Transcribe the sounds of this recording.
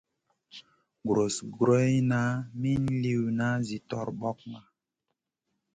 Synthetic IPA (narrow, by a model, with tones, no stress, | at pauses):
ɡɾo˨sɡɾo˦jna˦mi˦nli˦˨wna˦zi˨tɔ˨ɾɓɔ˦k̚ma˨